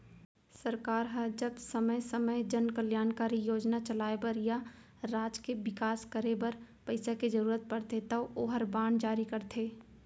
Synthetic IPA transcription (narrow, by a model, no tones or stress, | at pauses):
sɐɾkaːɾɦəd͡ʒɐbsɐməjsəməjd͡ʒɐnkəljaːnkaːɾijoːd͡ʒnat͡ʃɐlaːebəɾja | ɾaːd͡ʒkeʋɪkaːskəɾebɐɾpɐɪsaked͡ʒɐɾuːɾət̪̚pɐɾt̪et̪ɐoːɦəɾbãːɳd͡ʒaːɾikɐɾt̪ʰeː